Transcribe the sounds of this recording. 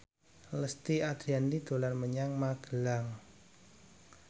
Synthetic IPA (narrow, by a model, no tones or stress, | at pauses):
ləst̪iad̪̥ɾiandid̪̥o̤lanməɲaŋmaɡ̥əlaŋ